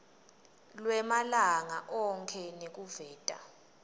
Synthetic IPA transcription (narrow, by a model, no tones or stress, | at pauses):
lwɛmalaŋaʔɔŋkʰɛnek̬ʼuvɛːtʼa̰